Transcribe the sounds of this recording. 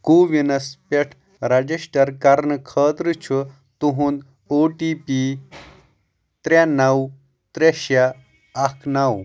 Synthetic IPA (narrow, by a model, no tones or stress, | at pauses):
kuʋinɐspeʈʰ | ɾɐd͡ʑiɕʈɐɾkaɾnkʰəːt̪ɾɨt͡ɕʰu | t̪uɦũːnd̪ | oʈipi | t̪ɾanaw | t̪ɾeɕaː | kʰnaw